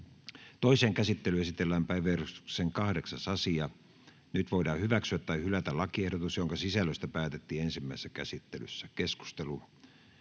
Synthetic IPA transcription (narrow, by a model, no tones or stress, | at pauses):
t̪oiseːŋkæsit̪ːelyesit̪elːæːmpæiʋˑerost̪ukseŋkɑhdeksɑsɑsiɑ | nyt̪ʋoidɑːhyʋæksyæt̪ːɑihylæt̪ælɑkiehɾot̪usjoŋkɑsisælːøst̪æpæːt̪et̪ːiːensimːæisesːækæsit̪ːely̰sːækesku̥st̪elu